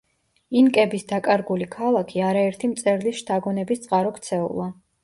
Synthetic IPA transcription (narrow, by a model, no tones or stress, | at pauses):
inkʼɛbisd̪akʼaɾɡulikʰalˠakʰiaɾaɛɾt̪ʰimt̪sʼɛɾlisʃt̪ʰaɡɔnɛbist̪sʼqʼaɾɔkʰt̪sʰɛṵlˠa